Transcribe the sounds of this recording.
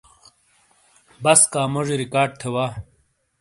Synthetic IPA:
bɐskaːmuʐɾikaːɖ̚t̪ʰewaː

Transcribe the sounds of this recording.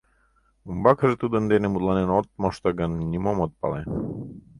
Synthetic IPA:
umbɑkʰəʐɨt̪ud̪ənd̪enemud̪lˠɑnenot̪̚moʃt̪ɑɡanːʲimomot̪̚pɑ̰lˠe

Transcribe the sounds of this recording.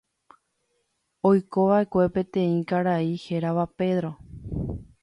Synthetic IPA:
ojkoʋaʔe̞kʷe̞pẽ̞t̪ẽ̞ĩkaɾaiheɾaʋape̞ðɾo̞

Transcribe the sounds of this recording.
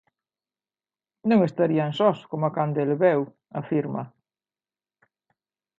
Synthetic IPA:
nõŋest̪aɾiansɔskomakand̪elβɛw | afiɾma̰

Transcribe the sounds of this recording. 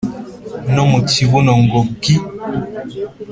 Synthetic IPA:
nɔmotibunɔŋ̩ɡɔp̚ki

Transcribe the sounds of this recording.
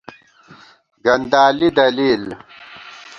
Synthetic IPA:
ɡɐnd̪aːlid̪ɐliːl

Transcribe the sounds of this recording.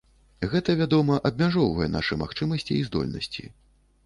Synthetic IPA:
ɣɛt̪ɐvʲad̪ɔmɐʔɐb̚ʲmʲaʐɔwvɐjɛna̰ʂɨmaxt͡ʂɨmɐsʲt͡sʲiizd̪ɔ̰lʲnɐ̰sʲt͡sʲḭ

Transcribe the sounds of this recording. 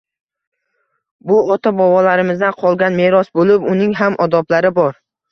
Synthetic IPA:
bʊɒt̪ʰabɒwɒlaɾɪmɪzd̪anqʰɒlˠɡʲanmeɾɒsbolɪpʊnɪŋɦamʔɒd̪ɒplaɾɪbɒɾ

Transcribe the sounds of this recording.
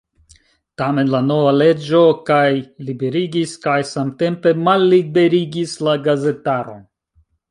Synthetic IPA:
tame̞nlano̞vale̞d͡ʒo̞kajlibe̞ɾiɡiskajsamte̞mpe̞malːibe̞ɾiɡislaɡaze̞taɾo̞̰

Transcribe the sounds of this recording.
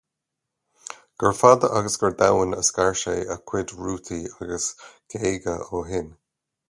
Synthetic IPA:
ɡ̥əɹfaːd̪əʔaɡəsɡəɹd̪awənəskaɹʃeːəkʰw̥ɪdɹuːt̪ʰiaɡəsɡ̥eːɡəoːɦɪn

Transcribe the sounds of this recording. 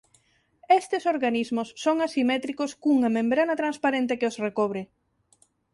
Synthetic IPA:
est̪ɪsoɾɣanizmʊsːoŋasimɛt̪ɾikʊskuŋɐmẽmbɾanɐt̪ɾanspaɾent̪ɪkɪosrekoβ̞ɾɪ

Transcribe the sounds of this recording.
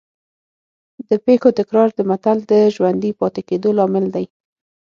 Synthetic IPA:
d̪əpexot̪ɪkɾɑɾd̪əmat̪ald̪əʒwand̪ipɑt̪ɪked̪olɑmɪld̪aj

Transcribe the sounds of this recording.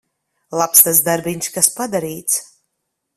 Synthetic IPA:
lˠapst̪as̬d̪aɾbiɲʲskaspad̪aɾiːt̪s

